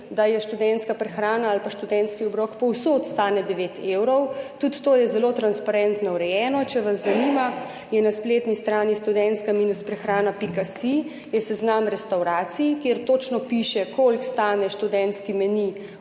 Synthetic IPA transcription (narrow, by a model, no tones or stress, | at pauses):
d̪ajɛʃt̪ud̪ɛnt̪skapɾɛxɾaːnaːlpaʃt̪ud̪ɛnt̪skiɔbɾɔkpɔwsot̪st̪aːnɛd̪ɛʋet̪ewɾɔwt̪ut̪ːoːjɛzɛlot̪ɾanspaɾɛnt̪nɔwɾɛjɛːnɔt͡ʃɛʋazːaniːma | jɛnaspleːt̪nist̪ɾaːniʃt̪ud̪ɛnt̪skamiːnuspɾɛxɾaːnapikasi | jɛsɛznamɾɛst̪awɾaːt̪sijkeːɾt̪oːt͡ʃnɔpiʃɛkʰolkst̪aːnɛʃt̪ud̪ɛnt̪skimɛni